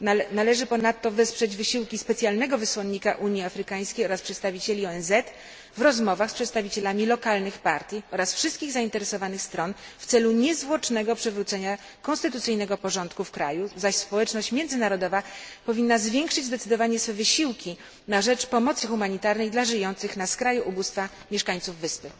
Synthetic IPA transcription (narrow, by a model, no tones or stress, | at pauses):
nalɛʐɘpɔnat̪ːɔvɛspʂɛd͡ʑvɘɕiwkʲispɛt̪sʲjalnɛɡɔvɘswɔnːikaʔuɲjiafɾɘkaj̃skʲejɔɾaspʂɛt̪st̪avʲit͡ɕelʲiɔɛnzɛt̪ | vɾɔzmɔvaxspʂɛt̪st̪avʲit͡ɕɛlamʲilɔkalnɘxpaɾt̪ʲjiɔɾasfʂɨst̪̚kʲiɣzaint̪ɛɾɛsɔvanɘxst̪ɾɔnft̪sɛluɲɛzvwɔt͡ʂnɛɡɔpʂɛvɾut̪sɛɲa | kɔ̃nst̪ɘt̪ut̪sɘjnɛɡɔpɔʐɔnt̪kufkɾa̰juzaɕspɔwɛt͡ʂnɔɕt͡ɕmʲjɛnd̪zɘnaɾɔd̪ɔvapɔvʲinːazvʲjɛŋkʂɘd͡ʑzd̪ɛt̪sɘd̪ɔvaɲɛsfɛvɘɕiwkʲi | naʐɛt͡ʂpɔmɔt̪sɘxumaɲit̪aɾnɛjd̪laʐɘjɔnt̪sɘxnaskɾajuʔubust̪fa | mʲjɛʂkaɲt̪suvːɘspɘ